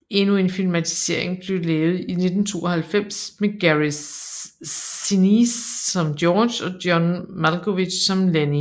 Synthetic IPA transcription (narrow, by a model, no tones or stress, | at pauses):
e̝nue̝nfilmæt͡sʰi̥se̝ɐ̰e̝ŋb̥le̝ʊlɛːʊð̞̩ˠine̝d̥n̩t͡sʰo̝̰ːɒhælfem̰smeɡ̥æʁi | inisːɒ̽md̥jɒ̥ːɕɒ̽d̥jɒnmælkʰoʋi̥ɕsɒ̽mleni